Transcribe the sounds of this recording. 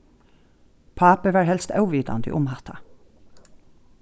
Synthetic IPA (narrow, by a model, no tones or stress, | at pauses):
pʰɑːpəʋɑːɹhɛlst̪ɑʉʋiːd̪ɑ̰nd̪ḭʔʊmhɑt̪ʰɑ